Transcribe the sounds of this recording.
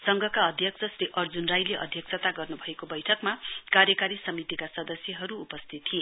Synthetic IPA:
sʌŋɡʱʌkaʌd̪ʱjʌksʰʌsɾiʔʌrd͡zunrajleʔʌ̰d̪ʱjʌksʰʌt̪aɡʌrnubʱʌekobʌjʈʰʌkmakaɾjʌkaɾisʌmit̪ikasʌd̪ʌsjʌɦʌɾuːpʌst̪ʰit̪ːʰie

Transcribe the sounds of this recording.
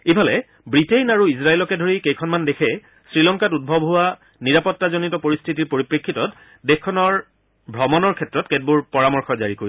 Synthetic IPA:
ibʰʱalɛ | bɹitejnaɹuisɹaelɔkɛdʱoɹikejkʰɔnmandekʰɛ | sɹilɔŋkatud̚bʱɔbʱʊwa | niɹapɔtːazonitɔpoɹistʰitiɹpoɹipɹekʰːitɔt | dexkʰːɔnɔɹ | bʱɹɔmɔnɔɹkʰɛtɹɔtket̚buɹpɔɹamɔɹxɔza̰ɹikoɹi

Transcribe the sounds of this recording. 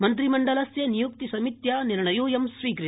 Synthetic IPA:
mɐnt̪̬ɾimɐɳɖɐlɐsjɐnijuk̚t̪isɐmit̪jaːniɾɳɐjuːjɐmsʋiːkɾi

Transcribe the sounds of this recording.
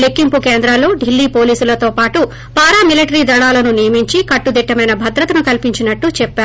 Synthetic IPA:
lekːimpukeːnd̪ɾalːo̞ːɖilːiːpo̞ːliːsulɐt̪o̞ːpaːʈu | paːɾaːmiliʈɐɾiːd̪ɐɭaːlɐnunijɐmiɲt͡ʃikɐʈːud̪iʈːɐmɐjnɐbʱɐd̪ɾɐt̪ɐnukɐlpiɲt͡ʃinɐʈːut͡ʃɛpːaːɾ

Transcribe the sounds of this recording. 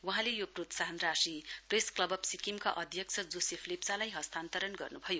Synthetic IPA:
wɦãlejoprot̪saɦʌnrasipresklʌbʌbsikimkaʔʌd̪ʱjʌk̚t͡sʰʌd͡zosepʰlipt͡salajɦʌst̪ʰant̪ʌɾʌnɡʌrnubʱʌjo

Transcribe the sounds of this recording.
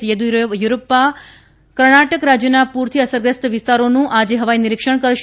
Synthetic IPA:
jəd̪ujuɾopːa | kəɾɳaʈəkɾad͡ʒjənapuɾt̪ʰiəsəɾɡɾəst̪ʋɪst̪aɾonũʔad͡ʒeɦəʋajnɪɾikʃəɳ̃kəɾʃ

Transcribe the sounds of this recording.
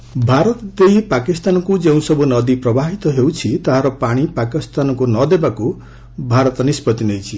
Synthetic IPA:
bʱaɾɔt̪d̪eipakist̪anɔkud͡ʒeũsʌbʱunʌd̪ipɾɔbaɦit̪ɔɦewt͡ʃʰit̪aɦaɾɔpaɽ̃ipakist̪anɔkunʌd̪ebaku | bʱaɾɔt̪ɔnispɔt̪inejt͡ʃʰi

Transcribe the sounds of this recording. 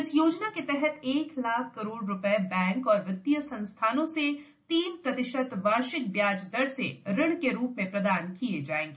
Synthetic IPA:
ɪsjoːd͡ʒnaket̪ɛɦɛt̪eːklaːkʰkɐɾoːɽɾʊpɛbɛ̃ːŋkɔːɾʋɪt̪ːijəsɐ̃nst̪ʰaːnõse | t̪iːmpɾɐt̪ɪʃət̪ʋaːʃɪk̚bjaːd͡ʒd̪əɾsḛɾɪɽ̃keɾuːpmẽpɾɐd̪aːnkied͡ʒaːẽːŋɡeː

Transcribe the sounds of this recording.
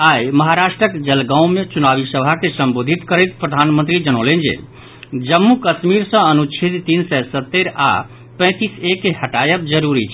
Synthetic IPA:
ajməɦaɾasʈɾəkd͡ʒəlɡãw̃met͡ʃunabisəbʱakesəmbod̪ʱit̪kəɾɛt̪pɾəd̪ʱanmənt̪ɾid͡ʒənəʊlənd͡ʒḛ | d͡ʒəmːukəsmiɾsə̃ənut͡ʃʰit̪t̪insɛsət̪ːeɾa̰ | pə̃ɪ̃t̪isekːeɦəʈajəbd͡ʒəɾuɾit͡ʃʰ

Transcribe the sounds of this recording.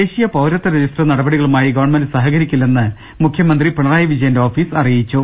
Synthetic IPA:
eːɕijɐpɐwɾɐt̪ːɐɾed͡ʑisʈrɐnɐɽɐbɐɽiɣɐɭumaːjiɡɐʋɐɳmɐndsɐɦɐɣɐɾikʲːulːenːɨ | mukʰjɐmɐnd̪ripeɳɐraːjɐʋid͡ʑɐjɐndeo̞ːfiːsɐrijit͡ɕːu

